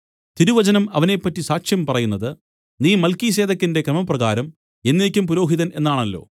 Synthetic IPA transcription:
t̪iɾuʋɐd͡ʑɐnɐmɐʋɐnepːɐtːisaːkʂjɐmpɐrɐjunːɐðɨ | niːmɐlkis̬e̞ːðɐkʲːinde̞krɐmɐprɐɣaːɾɐm | e̞nːeːkʲːumpuɾoːɦiðɐne̞nːaːɳɐlːo̞̰ː

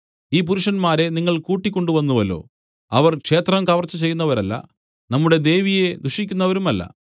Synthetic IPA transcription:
iːp̬uɾuʂɐnmaːɾe̞niŋːɐɭkuːʈːikʲːo̞ɳɖuʋɐnːuʋɐlːo̞̰ː | ɐʋɐrkʂe̞ːt̪rɐmkɐʋɐrt͡ɕːut͡ɕe̞jːun̪ːɐʋɐɾɐlːɐ̰ | nɐmːuɽe̞d̪e̞ːʋije̞d̪uʂikʲːunːɐʋɐɾumɐlːɐ̰

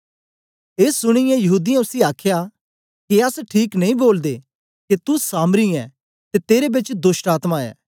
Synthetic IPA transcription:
eːsːʊɽ̃ɪjɛ̃jɐɦuːd̪ijãʊsiaːkʰja | kiɐsʈʰiːknɐ̃ĩboːld̪e | kit̪usaːmɾiɛː | t̪et̪eːɾebɪt͡ʃd̪ʊsʈaːt̪maɛ̰ː

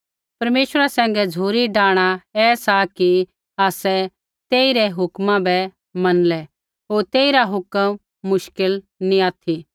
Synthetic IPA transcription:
pɐɾmeːʃəɾasɛ̃ːŋɡɛd͡zʱuːɾiɖaːɽ̃aɛːsaki | aːsɛ | t̪eːiɾɛɦʊkmãbɛ | mɐnlɛ | ɦoːɾt̪eːiɾaɦʊkəmː | ʊʃkɪl | nĩaːt̪ʰi

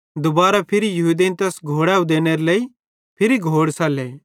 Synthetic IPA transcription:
d̪ʊbaːɾapʰɪɾijɐɦuːd̪eːnt̪ɛːsɡʱoːɽɛːũd̪eːneɾelɐi | pʰɪɾiɡʱoːɽsaːleː

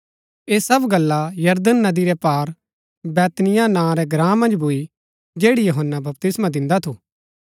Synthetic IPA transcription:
eːsɐbɡɐlːajɐɾd̪ənːɐd̪iɾɛpaːɾ | bɛːt̪nɪjanãːɾɛɡɾãːmɐ̃nd͡ʒbʱui | d͡ʒeːɽijoɦənːabɐp̚t̪ɪsmãd̪ɪ̃nd̪at̪ʰuː

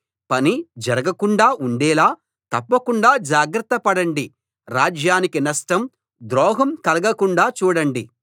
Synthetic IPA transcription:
pɐnid͡ʒɐɾɐɡɐkuɳɖaːʔuɳɖɛːlaː | t̪ɐpːɐkuɳɖaːd͡ʒaːɡɾɐt̪ːɐpɐɽɐɳɖi | ɾaːd͡ʒjaːnikinɐsʈɐm | d̪ɾɔːɦɐmkɐlɐɡɐkuɳɖaːt͡ʃuːɽɐɳɖi

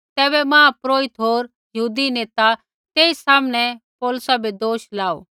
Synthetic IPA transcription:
t̪ɛːβɛmãːpɾoːɪt̪ɦoːɾ | jɐɦuːd̪ineːt̪a | t̪eːisaːmnɛpɔːlʊsabed̪oːʃlaːo̰ː

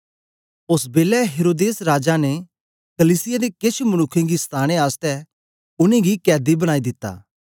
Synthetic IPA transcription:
ʊsbeːlɛɦeːɾoːd̪eːsɾaːd͡ʒane | kɐliːsɪjad̪ekɪt͡ʃʰmɐnʊkʰːẽɡist̪ʰaːɽ̃ẽaːst̪ɛ | ʊnẽɡikɛːd̪ibɐɽ̃aːid̪ɪt̪ːa̰ː

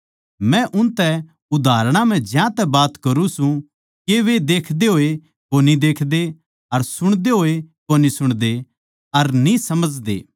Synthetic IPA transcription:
mɛ̃ʔʊ̃nt̪ɛ | ʊd̪aːɾɽ̃ãm̤ɛ̃d͡ʒjãt̪ɛbaːt̪kɐɾũsũ | keʋed̪eːkʰd̪eɦoːe | konid̪eːkʰd̪e | ɐɾsʊɽ̃d̪eɦoːekonisʊɽ̃d̪e | ɐɾnĩsɐməd͡ʒd̪ḛː

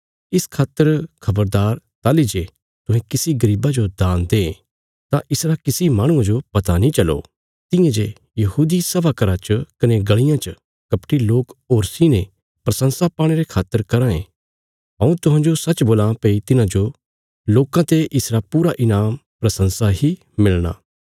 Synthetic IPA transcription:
ɪskʰaːt̪ːəɾkʰɐbəɾd̪aːɾt̪aːlid͡ʒe | t̪ʊ̃ɦɛ̃kɪsiɡɐɾiːbad͡ʒod̪ãːnd̪ẽː | t̪ãʔɪsɾakɪsimãːɽ̃ʊ̃ãd͡ʒopɐt̪anĩt͡ʃɐlo̰ | t̪ɪ̃jãd͡ʒe | jɐɦuːd̪isɐbakɐɾat͡ʃəkɐneɡɐɭɪjãt͡ʃə | kɐpʈiloːkoːɾsine | pɾɐsə̃nsapaːɽ̃eɾekʰaːt̪ːəɾkɐɾãḛ̃ | ɦɐ̃ũt̪ʊɦãːd͡ʒosɐt͡ʃːboːlãpeːit̪ɪnãd͡ʒo | loːkãt̪eʔɪsɾapuːɾaʔɪnaːmpɾɐsə̃nsaɦi | mɪlɽ̃a̰ː

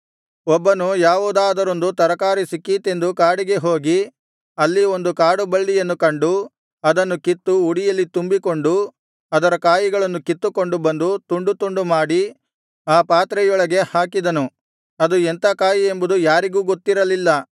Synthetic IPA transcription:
ɔbːɐnujaːʋuːd̪aːd̪ɐɾo̞nd̪ut̪ɐɾɐkaːɾisikːiːt̪e̞nd̪ukaːɽiɡe̞ɦo̞ːɡi | ɐlːio̞nd̪ukaːɽubɐɭːijɐnːukɐɳɖu | ɐd̪ɐnːukit̪ːuuɽijɐlːit̪umbiko̞ɳɖu | ɐd̪ɐɾɐkaːjiɡɐɭɐnːukit̪ːuko̞ɳɖubɐnd̪ut̪uɳɖut̪uɳɖumaːɽi | aːpaːt̪ɾɛjɔɭɐɡe̞haːkid̪ɐnu | ɐd̪uent̪ɐkaːjie̞mbud̪ujaːɾiɡuːɡo̞t̪ːiɾɐlilːɐ

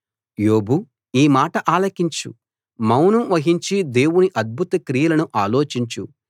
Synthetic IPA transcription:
joːbu | iːmaːʈɐʔaːlɐkiɲt͡ʃṵ | mɐwnuʋɐɦiɲt͡ʃid̪e̞ːwuniʔɐd̪̚bʱut̪ɐkɾijɐlɐnuʔaːlo̞ːt͡ʃiɲt͡ʃu

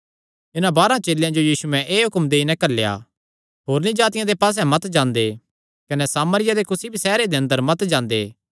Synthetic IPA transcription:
ɪnãbaːɾãt͡ʃeːljãd͡ʒojiːsuɛ̃ʔeːɦʊkmd̪eːinɛ̃kɐlːeja̰ | ɦoːɾnĩd͡ʒaːt̪ɪjãd̪epaːs̬ɛ̃mɐt̪d͡ʒãːnd̪e | kɐnɛsaːməɾɪjad̪ekʊsibʱisɛːɾed̪eɐ̃nd̪əɾmɐt̪d͡ʒãːnd̪ḛː

